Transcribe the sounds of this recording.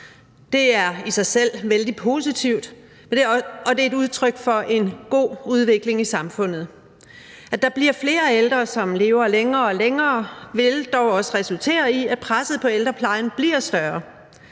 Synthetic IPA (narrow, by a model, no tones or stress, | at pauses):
d̥e̝æɐisɑ̈ɪsel̰ʋeld̥ipʰo̝sit͡sʰiʊd̥ | mend̥eɒ̽d̥e̝e̝duð̞ˠt͡sʰʁœɡ̥fɒ̽ʔe̝nɡ̥o̝̰ːuð̞ˠʋe̝ɡ̥le̝ŋisɑ̈mfɔ̽n̰ð̞̩ˠ | æd̥ɑ̈b̥liɐ̰fle̝ːɐeld̥ʁɐsɒ̽mle̝ːʊɐleŋɐːɒ̽leŋɐːʋe̝ld̥ɒʊɒ̽səʁɛsult͡sʰe̝̰ːɐiæd̥̚pʰʁasð̞̩ˠpʰɒ̽eld̥ʁɐpʰlɑ̈ɪn̩b̥liɐ̰sd̥ɶɐ